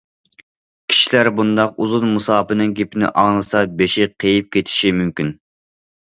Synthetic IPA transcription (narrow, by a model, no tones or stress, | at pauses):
kʲʰi̥ʃilæɾbund̪ɑquzunmusɑːpɨnɨŋɡʲepʰɪnɪ̰ʔɑnɨsɑbeʃɪqʰejip̚kʲʰet̪ʰɪ̥ʃimymkʲin